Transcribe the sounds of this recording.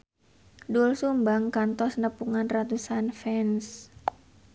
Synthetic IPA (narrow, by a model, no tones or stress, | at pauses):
dulsumbaŋkant̪ɔsnəpuŋanrat̪usanfɛns